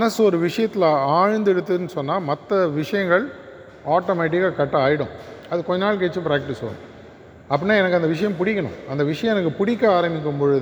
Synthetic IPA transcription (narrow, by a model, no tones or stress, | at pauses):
mɐnɐsɔɾɯʋɪʂɐjɐt̪ːɪlɐaːɻnd̪ɛɽɯt̪ːɯnɯsɔnːaːmɐt̪ːɐʋɪʂɐjɐŋɡɐɭ | aːʈomɛːʈ̬ɪkːaːkɐʈːɐaːjɪɽʊ̰̃ɐðɯkɔɲːɐnaːɭk̬eːt͡ʃːɯpɾaːk̚ʈɪspɐ̰ːɽʊ̰̃ | ɐpːɐnːaːɛnɐkːɯɐnd̪ɐʋɪʂɐjɐmpʊɽɪkːɐɳʊ̰̃ɐnd̪ɐʋɪʂɐjɐ̃mɛnɐkːɯpʊɽɪkːaaːɾɐmɪk̬ːɯmpɔɻɯð